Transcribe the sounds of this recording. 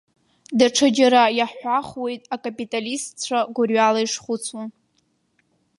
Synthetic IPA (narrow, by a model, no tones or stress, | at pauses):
daʈ͡ʂʰɨd͡ʒaɾajaħʷaχwe̞jtʼakʼapʼitʼalistt͡ɕʷʰaɡʷʊrɥalaiʂχʊt͡sʰun